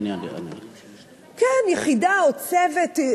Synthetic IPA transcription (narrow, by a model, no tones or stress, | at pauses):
n̰n | kɛnjɛχidaot͡sevet